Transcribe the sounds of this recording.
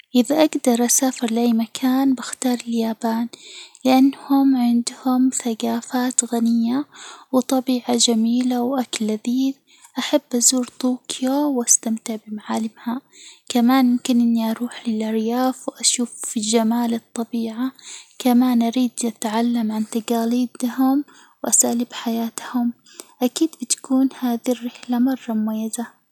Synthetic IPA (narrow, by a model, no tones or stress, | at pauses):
ʔɪðaʔaɡd̪ɑɾˤʔasaːfɪɾlɪʔajmakʰaːnbaxt̪ɑːɾˤɪljaːbaːnlɪʔanːhʊmʕɪnd̪hʊmθaɡaːfaːt̪ɣanɪjːawɪt̪ˤɑbiːʕad͡ʒamiːlawʔaklːaðiːd | ʔaħabːʔazuːɾt̪uːkʰjowʔast̪amt̪ɪʕbɪmaʕaːlɪmhakamaːnmɪmkɪnʔɪnːiʔɑɾˤuːħlɪlʔɑɾjaːfwʔaʃuːfːid͡ʒamaːlɨt̪ˤːɑbiːʕakamaːnʔaɾiːd̪ʔat̪ʕalːamʕant̪aɡaːliːd̪hʊm | wʔasaalɪbħajaːt̪hʊm | ʔakiːd̪bɪt̪ḁkuːnhaːðirːɪħlamɑrˤːɑmʊmajːaza